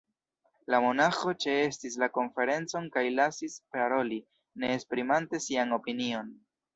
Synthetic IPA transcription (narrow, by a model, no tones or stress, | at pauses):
lamo̞naxo̞t͡ʃe̞e̞stislako̞nfe̞ɾe̞nt͡so̞nkajlasispaɾo̞li | ne̞ːspɾimante̞siano̞pinio̞n